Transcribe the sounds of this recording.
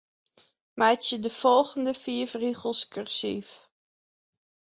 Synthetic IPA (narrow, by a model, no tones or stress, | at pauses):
mɛjtsjədəfɔlˠχəndəfiəfriχəlˠskørsḭf